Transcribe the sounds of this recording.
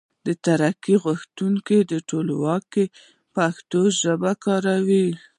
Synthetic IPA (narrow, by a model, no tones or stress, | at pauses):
d̪ət̪aɾakiɣʊxt̪uŋked̪əʈolwɑke | paxt̪oʒəbakɑɾawi